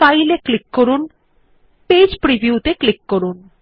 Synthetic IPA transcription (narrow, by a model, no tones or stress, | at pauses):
fajleklikːoɾun | ped͡ʑpɾibʱiut̪eklikːoɾun